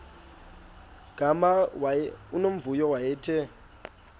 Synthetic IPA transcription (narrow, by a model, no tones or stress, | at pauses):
ɡ̥ʱamawaunom̩vujɔwajɛːtʰɛ